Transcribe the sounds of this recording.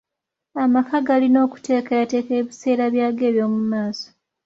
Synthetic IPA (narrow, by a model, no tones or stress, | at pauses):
amakaɡalino̞ːku̥te̞ːkajate̞ːke̞ːβise̞ːɾaβjaːɡe̞ːβjo̞ːmumaːso̥